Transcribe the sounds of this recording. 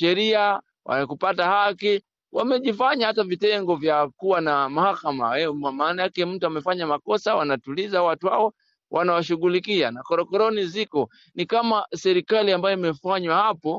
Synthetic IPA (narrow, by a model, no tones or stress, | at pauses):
ɛɾia | wʔa̰akupatahaki | wamɛʄifaɲahatavitɛŋɡɔvjakuwanamahakama̰ɛamaːnajakɛm̩tuamɛfaɲamakɔsawanatulizawatuha̰ɔ | wʔanawaʃuɠulikianakɔɾɔkɔɾɔnizikɔ | nikamasɛɾikaliambajɔimɛfaɲwahapɔ